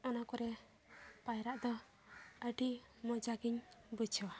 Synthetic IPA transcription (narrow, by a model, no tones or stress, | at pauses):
ɔnakɔɾɛ | pajɾaʔd̪ɔ | əɖi | mɔd͡ʒaɡiɲbut͡ʃʰɔ